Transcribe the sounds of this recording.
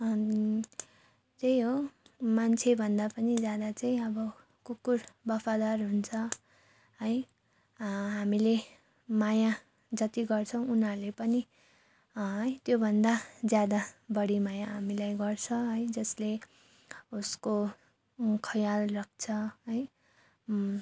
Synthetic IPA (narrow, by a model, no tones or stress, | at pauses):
tejɦomant͡sʰebʱʌnd̪apʌnid͡zjad̪at͡saĩʌbʌ | kukːurbʌpʰad̪arɦunt͡sʰʌ | ɦʌj | ɦamile | maja | d͡zʌt̪iɡʌrt͡sʰʌw̃unʌɾlepʌni | ɦʌjt̪jobʱʌnd̪ad͡zjad̪abʌɽimajaɦamilajɡʌrt͡sʰʌɦʌjd͡zʌsle | usko | kʰʌjalrak̚ʰt͡sʰʌɦʌj